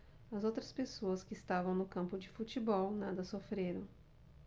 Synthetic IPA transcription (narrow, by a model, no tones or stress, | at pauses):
ɐzowt̪ɾɐspesoɐskɪːst̪avɐ̃w̃nʊkɐ̃mpʊd͡ʒɪfut͡ʃibɔwnad̪ɐsofɾeɾɐ̃w̃